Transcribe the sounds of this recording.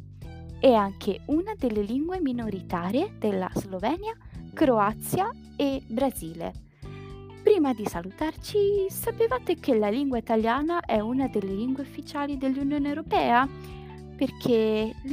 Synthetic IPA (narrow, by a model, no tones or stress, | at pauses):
ɛaŋkʰeunad̪elːeliŋɡweminoɾit̪aːɾjed̪̥elːa̰z̥lovɛːnja | kɾoat̪sːja | ebɾaziːlḛ | pɾiːmad̪isalut̪art͡ʃisapevaːt̪ekelaliŋɡwait̪aljaːnaʔɛunad̪elːeliŋɡweufːit͡ʃaːlid̪elːunjoːneewɾopɛːa | perk̟ʰe